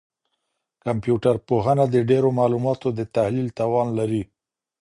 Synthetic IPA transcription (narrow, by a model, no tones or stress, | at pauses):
kampjuʈaɾpoɦənad̪əɖeɾomɑlumɑt̪od̪ət̪ahlilt̪ɑwɑnlaɾi